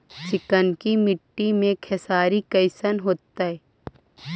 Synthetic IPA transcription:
sɪkənkimɪʈːimẽkʰɛsaːɾikɐɪsənɦoːt̪ːaɦɛː

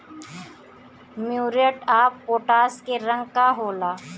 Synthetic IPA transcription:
mjuːɾeʈaːppoːʈaːskeɾə̃ŋɡkaɦoːlaː

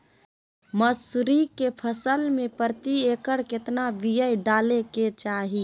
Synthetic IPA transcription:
məsʊɾikepʰəsəlmẽpəɾt̪ieːkəɽkɪt̪naʋijəjɖaːleket͡ʃaːɦi

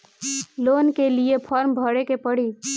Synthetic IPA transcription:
loːnkeliepʰɔːɾmbʱəɽekepəɽi

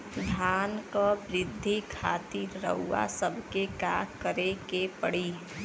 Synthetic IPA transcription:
d̪ʱjaːnkəbɾɪd̪ʱːikʰaːt̪iɾːə̰ɦuːa̰səbʱkekakəɾekepəɽi

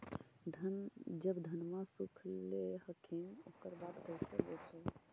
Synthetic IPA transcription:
d̪ʱd͡ʒəbd̪ʱənmasukʰlehəkʰinokəɾbat̪ɡəjsḛbet͡ʃəl

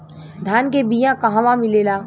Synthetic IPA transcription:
d̪ʱaːnkebijãkɐɦãʋãmɪleːlaː

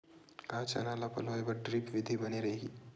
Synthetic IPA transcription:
kaːt͡ʃa̰naːlapɐ̰loːebɐɾʈɾɪpʋɪd̪ʱebɐneɾɐɦeːɡiː

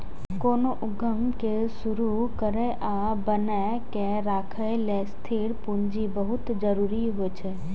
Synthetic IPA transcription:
koːnoʔʊɡʱəmke | sʊɾu | kəɾeʔa | bəne | kẽ | ɾaːkʰəlest̪ʰiɽpũɲd͡ʒibəɦʊt̪d͡ʒəɾuːɾiɦoet͡ʃʰe

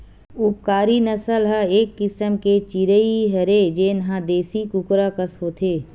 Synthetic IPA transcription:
ʊpkaːɾinəsəlɦəeːkːɪsəmket͡ʃiɾəiɦəɾed͡ʒeːnɦãd̪eːsikʊkɾakəsɦoːt̪ʰeː

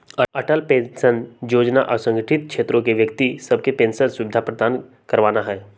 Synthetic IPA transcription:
ɐɐʈəlpẽnsənjoːd͡ʒnaʔsə̃ŋɡəʈʰɪt̪̚kʰʃʰeːt̪ɾõkeʋjəkt̪isɐb̚kepẽːnsənsʊʋɪd̪ʱapɾəd̪ʱaːn | kɐɾʋaːnaɦɛː

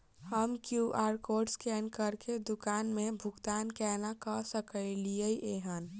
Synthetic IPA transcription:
həmkjuʔaːɾkoːɾɖskɛnkəɾked̪ʊkaːnmẽbʱʊɡt̪aːnkɛːnakɔsəkəilijəiʔeɦən

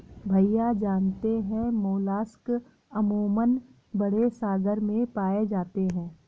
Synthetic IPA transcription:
bʱɐijad͡ʒaːnt̪eɦɛ̃moːlaːsk | əmoːmən | bɐɽ̤esaːɡəɾmẽpaːed͡ʒaːt̪eɦɛ̃ː

